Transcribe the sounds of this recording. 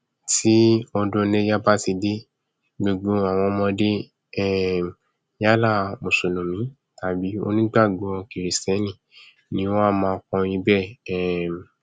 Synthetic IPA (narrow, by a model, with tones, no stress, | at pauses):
ti˦ɔ˧dõ˧ne˦ja˦ba˦ti˧de˦ | ɡ͡be˧ɡo˨˧a˨w̃ɔ̃˧mɔ̃˧de˦ | ɛ˦˨ | ja˦la˦˨mõ˨so˨nũ˨mĩ˨˦ | ta˨˦˨bi˨˦o̰˧nĩ˦ɡ͡ba˦˨ɡo˨˦˧ki˨ɾe˨sɛ˨˦nĩ˦˨ | nĩ˧˦wɔ̃˦a˦˧˨mãː˧˦˧kɔ̃˧jĩ˧˦bɛ˦˨˦